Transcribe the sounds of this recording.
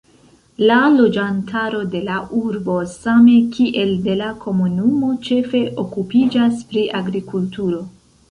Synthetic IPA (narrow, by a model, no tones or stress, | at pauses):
lalo̞d͡ʒantʰaɾo̞de̞laʔuɾbo̞same̞kʰiʔe̞lde̞lakʰo̞munumo̞t͡ʃe̞fe̞ʔo̞kupid͡ʒaspɾiʔaɡɾikultuɾo̞